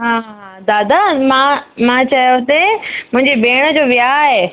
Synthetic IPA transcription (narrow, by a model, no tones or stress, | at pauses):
ɦãː | d̪aːd̪amãmãt͡ɕɐjot̪emʊ̃ɦɪ̃ɲd͡ʑebeːɽ̃əd͡ʑoːʋijaɦeː